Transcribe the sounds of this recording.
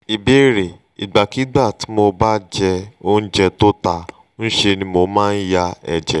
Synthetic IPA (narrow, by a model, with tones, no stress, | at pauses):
i˨be˨˦˨ɾe˨ | i˨ɡ͡ba˨ki˨˦ɡ͡ba˦˨ti˨˦mo˧ba˦d͡ʒɛ˧o˦n̩˦d͡ʒɛ˧to˦ta˧˦ | n̩˦ʃe˧nĩ˧mo˧˦mãː˦˧n̩˦ja˧ɛ̰˨d͡ʒɛ˨